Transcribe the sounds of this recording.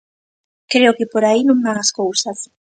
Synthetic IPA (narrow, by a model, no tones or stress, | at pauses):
kɾeʊkɪpoɾainõŋbaŋaskowsɐs